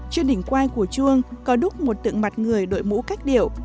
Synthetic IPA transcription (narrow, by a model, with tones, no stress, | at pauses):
t͡ɕwi˧əŋnɗï˧˩ŋ̟kwaː˧nku˧˩ət͡ɕu˧əŋkɔ˨˦ɗʊ˦˥k͡p̚mo˨˩t̚t̪ɨ̰˧˨əŋma˨˩t̚ŋɨ˨˩əjɗo̰˧˨jmṵ˧˥kaː˦˥jk̚ɗi˧˩əw